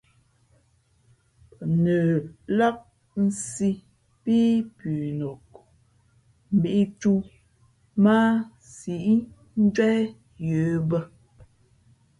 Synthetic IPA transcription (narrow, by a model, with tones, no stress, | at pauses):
pə˨nəː˨la˦k̚ | n̩˦˨si˦ | pi˦pʉ˨no˨k̚ | m̩˨bi˦ʔi˦tu˦ | ma˦ | si˨ʔi˦ | n̩˦d͡ʒwɛ˦ | jə˨˦bə˦